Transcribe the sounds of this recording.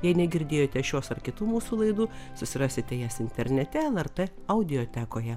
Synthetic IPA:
jɛɪnʲɛɡʲɪɾʲd̪ʲeːjoːt̪ʲɛʃʲoːsɐrkʲɪt̪uːmuːsuːlˠɐɪd̪uːsʊsʲɪɾɑːsʲɪt̪ʲɛjæsɪnʲt̪ʲɛɾʲnʲɛt̪ʲɛɛlˠɛrt̪eː | ɐʊd̪ʲɪjoːt̪ʲæːkoːjɛ

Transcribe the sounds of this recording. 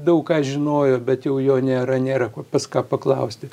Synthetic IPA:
d̪ɐʊkkɑːʒʲɪnoːjoːbʲɛt̪jɛʊjoːnʲeːɾɐnʲeːɾɐkopɐskɑːpɐklˠɐʊsʲt̪ʲɪ

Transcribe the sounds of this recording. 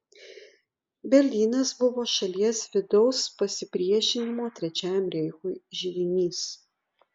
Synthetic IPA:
bʲɛɾʲlʲiːnɐsbʊʋoːʃɐlʲiɛsʋʲɪd̪ɔʊspɐsʲɪpʲɾʲiɛʃʲɪnʲɪmoːt̪ʲɾʲɛt͡ʃʲæːjɛmɾʲɛɪxʊjʒʲɪʋʲɪnʲiːs

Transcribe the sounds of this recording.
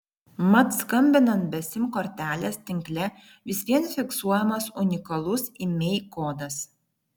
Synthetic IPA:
mɐt̪skɐmʲbʲɪnɐnt̪̚bʲɛsʲɪmkɔɾʲt̪ʲæːlʲeːst̪ʲɪŋʲklʲɛ | ʋʲɪsʲʋʲiɛnfʲɪksuɔjɛmɐsʊnʲɪkɐlˠʊsimʲɛɪkoːd̪ɐs

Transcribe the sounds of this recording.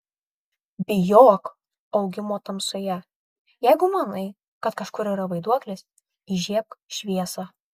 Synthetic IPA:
bʲɪjoːk | ɐʊɡʲɪmoːt̪ɐmsoːjɛ | jɛɪɡʊmɐnɐɪ | kɐt̪kɐʃkʊɾiɾɐʋɐɪd̪uɔklʲeːs | iʒʲiɛkʃʲʋʲiɛsɑ

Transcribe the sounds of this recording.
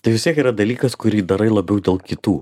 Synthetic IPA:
t̪ɐɪʋʲɪst̪ʲiɛkiːɾɐd̪ɐlʲiːkɐskʊɾʲiːd̪ɐɾɐɪlˠɐbʲɛʊd̪ʲeːlˠkʲɪt̪uː

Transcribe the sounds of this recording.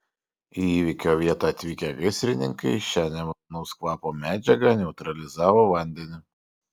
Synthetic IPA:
iiːʋʲɪkʲoːʋʲiɛt̪ɑɐt̪ʲʋʲiːkʲɛɡʲɪsʲɾʲɪnʲɪŋkɐɪʃʲæːnʲɛmnɐʊskʋˠɑːpoːmʲæːd͡ʒʲɛɡɐnʲɛʊt̪ɾɐlʲɪzɑːʋoːʋɐˑnʲd̪ʲɛnʲɪ

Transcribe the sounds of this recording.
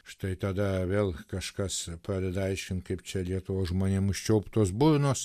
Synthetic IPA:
ʃt̪ɐɪt̪ɐd̪ɐʋʲeːlˠkɐʃkɐspɾɑːd̪ʲɛd̪ɐɪʃʲkʲɪntkɐɪpt͡ʃʲɛlʲiɛt̪ʊʋoːsʒmoːnʲeːmʊʃʲt͡ʃʲɛʊpt̪oːsbʊrnoːs

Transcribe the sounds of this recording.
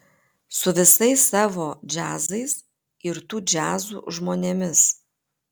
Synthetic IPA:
sʊʋʲɪsɐɪsːɑːʋoːd͡ʒʲæːzɐɪs | ɪɾt̪uːd͡ʒʲæːzṵːʒmoːnʲeːmʲɪs

